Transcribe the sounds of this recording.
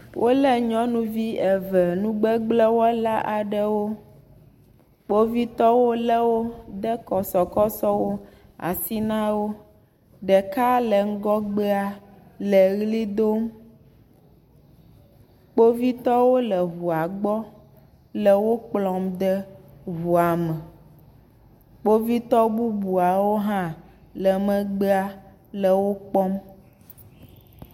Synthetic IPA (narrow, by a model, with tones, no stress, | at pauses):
wʔo˦lɛ˦ɲɔ̃˦nũ˦vi˦ɛ˨vɛ˨nũ˦ɡ͡bɛ˦ɡ͡blɛ˦wɔ˦la˦ʔa˨ɖɛ˦wo˦ | k͡po˦vi˦t̪ɔ˦wo˦lɛ˦wo˦d̪ɛ˦kɔ˨sɔ˨kɔ˦sɔ˦wo˦a̰˨si˦nã˦wo˦ | ɖɛ˨ka˦lɛ˨ŋ̩˦ɡɔ˦ɡ͡bɛ˦a˨lɛ˨ɣli˦d̪o˦m | k͡po˦vi˦t̪ɔ˦wo˦lə˨ɦu˨a˨ɡ͡bɔ˦ | lə˨wo˦k͡plɔ˨md̪ɛ˦ɦu˨a˨mɛ˨ | k͡po˦vi˦t̪ɔ˦bu˦bu˨a˨wo˦ɦã˦ | lɛ˨mə̃˨ɡ͡be˦a˨ | lə˨wo˦k͡pɔ˦m